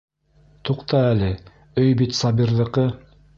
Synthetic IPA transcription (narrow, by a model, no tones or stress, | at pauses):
t̪ʰuqt̪ɑælɘ | ɵjbit̪sɑbiɾðɤ̆qɤ